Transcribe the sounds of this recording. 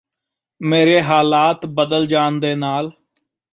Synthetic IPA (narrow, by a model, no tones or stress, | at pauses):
meːɾeːɦaːlaːt̪bəd̪əld͡ʒaːnd̪eːnaːl